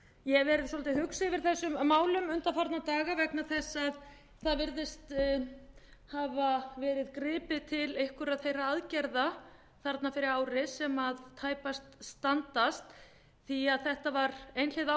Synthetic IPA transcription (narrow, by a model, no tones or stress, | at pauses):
jɛvɛːɾɪðsɔlat̪ɪhʏksvɪɾ̥θɛsːʏmːaːwlʏmʏnt̪afaɾt̪nat̪aːɣavɛknaθɛsːað | θaðvɪɾðɪst̪ | havavɛːɾɪðkɾɪːpɪt̪ʰɪlejhkʏɾaðθejraaðcɛɾða | θaɾt̪nafɪɾɪɾaːwɾɪsɛmaðt̪ʰaːjpast̪st̪ant̪ast̪ | θiaðθɛht̪avaɾejnl̥ɪða